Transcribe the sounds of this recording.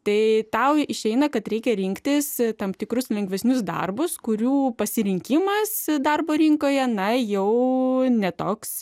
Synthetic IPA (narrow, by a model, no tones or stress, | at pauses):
t̪ɐɪt̪ɐʊɪʃʲɛɪnɐkɐt̪ɾʲɛɪkʲɛɾʲɪŋkt̪ʲɪst̪ɐmpt̪ʲɪkɾʊslʲɛŋɡʋʲɛsʲnʲʊsd̪ɐ̰rbʊskʊɾʲuːpɐsʲɪɾʲɪŋʲkʲɪmɐsd̪ɐrboːɾʲiŋkoːjɛnɐjɛʊnʲɛt̪oːks